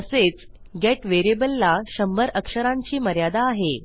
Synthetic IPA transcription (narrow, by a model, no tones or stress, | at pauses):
əset͡s | ɡeʈʋeɾiebəlːaɕəmbəɾəkʂəɾãɲt͡ɕiːməɾjad̪aːɦe